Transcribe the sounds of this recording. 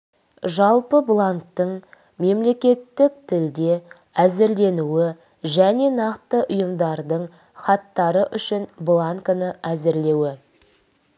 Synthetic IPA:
ʒɑlˠpəblˠaŋk̚t̪əɴ | me̞mle̞kʲe̞t̪ːɪk̚t̪ʰɪld̪e̞ | æzɪɾle̞nuɪ | ʒæne̞nɑqt̪əʔʊjəmd̪ɑɾd̪əɴ | χɑt̪ːɑɾəʔʏʃɪnblˠaŋkənəæzɪɾle̞wɪ

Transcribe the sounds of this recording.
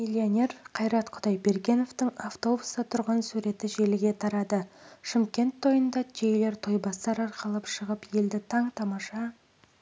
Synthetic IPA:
milʲːionʲe̞ɾqʰɑjɾɑt̪qʰʊd̪ɑjbe̞ɾɡʲe̞no̞ft̪ɪŋaft̪o̞bust̪ɑt̪ʰʊɾʁɑnsuɾe̞t̪ɪʒe̞lɪɡʲe̞t̪ʰɑɾɑd̪əʃɪmkʲe̞nt̪ʰːo̞jənd̪ɑd͡ʒʰejle̞ɾt̪ʰo̞jbɑst̪ɑɾɑɾqəlˠəpʃəʁəpje̞ld̪ɪt̪ʰɑɴt̪ʰɑmɑʃɑ

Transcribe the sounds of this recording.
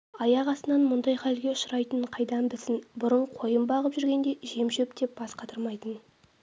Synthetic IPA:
ɑjɑʁɑsənɑnmʊnd̪ɑjqʰɑlɡʲe̞ʊʃəɾɑjt̪əɴqʰɑjd̪ɑmbɪsɪnbʊɾəɴqʰo̞jəmbɑʁəpʒʏɾɡʲe̞nd̪e̞ʒe̞mʒepd̪e̞p̚b̥ɑsqɑt̪ʰəɾmɑjt̪ən

